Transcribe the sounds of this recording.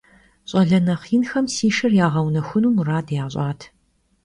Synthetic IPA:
ɕʼɐɮɐnɐχiːnxɐmsiːʂɨrjaːʁɐwnɐxʷʊnuːmraːdjaːɕʼaːtʰ

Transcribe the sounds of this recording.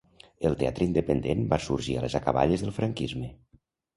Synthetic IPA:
əlˠt̪eat̪ɾəind̪əpənd̪embasuɾʒia̰lezakəβa̰ʎəzðəlˠfɾaŋkizmə

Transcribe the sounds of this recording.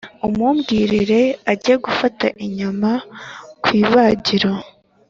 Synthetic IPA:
umuːmɡiːɾiɾe̞aɟijeɡufata̰ʔiɲamakwiːβaɟiɾo

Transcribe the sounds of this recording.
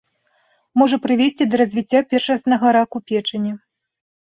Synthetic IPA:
mɔʐɐpɾɨvʲesʲt͡sʲid̪ɐɾɐzʲvʲit͡sʲːapʲɛrʂɐsnɐɣɐɾakupʲɛt͡ʂɐnʲɛ

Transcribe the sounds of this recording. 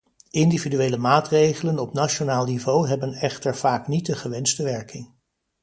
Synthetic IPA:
ɪndividyʋeːjləmaːtrejχələnɔpnat͡ʃonaːlˠnivowɦɛbənɛχtəɹv̥aːknit̚dəχəʋɛnstəʋɛɹkɪŋ

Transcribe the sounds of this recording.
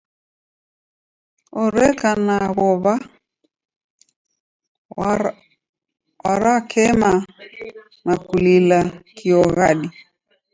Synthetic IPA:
ɔɾɛkanaɣɔβa | waɾakʰɛma | nakulilakʰiɔɣaɗi

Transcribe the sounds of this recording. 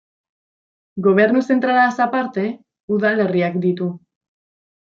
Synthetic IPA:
ɡo̞β̞e̞ɾnuse̞nt̪ɾalasapaɾt̪e̞ | uðale̞riakd̪it̪u

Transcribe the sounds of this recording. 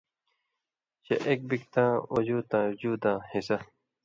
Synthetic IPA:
ɕɐ̰ʔek̚bik̚t̪ãːod͡ʑuːt̪ãːd͡ʑuːd̪ãːhisɐ

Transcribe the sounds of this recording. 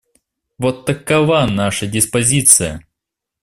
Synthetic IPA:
vot̪ːɐkːɐvanaʂədʲɪspɐzʲit̪sɨjə̰

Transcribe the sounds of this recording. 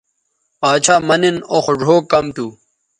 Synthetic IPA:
paːt͡ɕʰaːmɐninoxʐʱoːkɐmt̪u

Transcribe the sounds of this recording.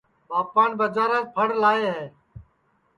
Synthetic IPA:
baːpaːnbəd͡ʒaːɾəːpʰəɽlaːeːɦɛː

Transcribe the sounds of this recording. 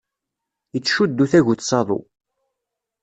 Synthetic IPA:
ət͡sːʃud̪ːuθæʝut͡sːsˤɑðˤo̰

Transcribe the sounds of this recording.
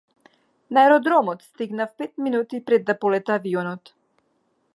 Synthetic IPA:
naɛɾɔd̪ɾɔmɔt̪st̪iɡnafpɛt̪minut̪ipɾɛd̪ːapɔlɛt̪aːviɔnɔt̪

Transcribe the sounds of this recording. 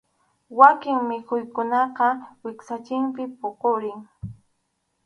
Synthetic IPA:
wakɪŋmɪkʰʊjkʊnɑqɑwɪksat͡ʃɪmpɪpoqoɾɪŋ

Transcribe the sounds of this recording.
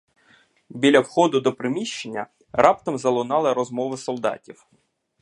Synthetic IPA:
bʲilʲɐwxɔd̪ʊd̪ɔpɾɪmʲiʃt͡ʃenʲːɐ̰ | ɾɑpt̪ɔmzɐlˠʊnɑlˠɪɾɔzmɔʋɪsɔlˠd̪ɑ̰tʲiw

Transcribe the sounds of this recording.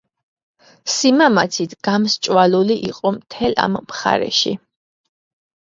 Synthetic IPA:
simamat̪sʰit̪ʰɡ̥amst͡ʃʼwaluliʔiqʼɔmt̪ʰɛla̰mːχa̰ɾɛ̰ʃḭ

